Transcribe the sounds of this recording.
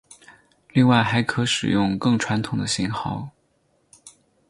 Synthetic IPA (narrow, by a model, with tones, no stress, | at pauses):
li˥˧ŋwa˥˩ɪxa˧˥ɪkʰɤ˧˥ʂɻ̩̰˨˩jʊ˥˧ŋkɤ˥˩ŋʈ͡ʂʰwa˧˥nt̪ʰʊ˨˩ŋd̪ə˦ɕi˧˥nxɑ˥˩ʊ